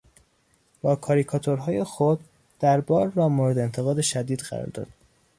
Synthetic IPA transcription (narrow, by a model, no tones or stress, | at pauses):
b̥ɒːkʰɒːɾikʰɒːt̪ʰoɾɦɒːje̞xod̪̚ | d̪æɾbɒːɾːɒːmoɾed̪eːnt̪ʰe̞ɣɒːd̪e̞ʃæd̪iːd̪ɢæ̰ɾɒ̰ɾd̪ɒ̰ːd̪̥